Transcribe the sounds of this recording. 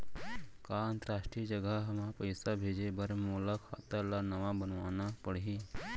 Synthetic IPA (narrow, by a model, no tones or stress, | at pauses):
kaːə̃nt̪əɾaːʃʈɾid͡ʒəɡəɦɐmãpəjsabʱeːd͡ʒebɐɾmoːləkʰa̰ːt̪alanɐʋabənʋaːnapəɽɦiː